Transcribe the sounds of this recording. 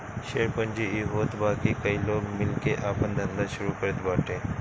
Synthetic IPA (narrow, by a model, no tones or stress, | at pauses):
ʃeːɾpənd͡ʒiiɦoːt̪baːkikɐiloːɡmɪlkeʔaːpənd̪ʱɐ̃nd̪aʃʊɾukəɾət̪baːʈʰẽː